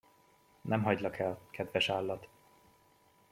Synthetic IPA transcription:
nʔɛmɦɒɟlɒkʰɛlkʰɛd̪vɛʃaːlːɒt̪

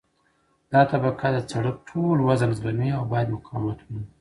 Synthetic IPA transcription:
d̪̥ɑt̪abakad̪ət͡saɽək̚ʈʰolwazanzbaniawbɑjad̪mʊqʰɑmat̪ʰwui

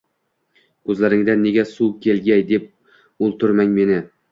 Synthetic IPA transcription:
kʰɵzlaɾɪŋd̪anːe̞ɡʲasukʲʰe̞lɡʲajd̪e̞p̚ | ʊlˠt̪ʰʊɾmaŋme̞nɪ

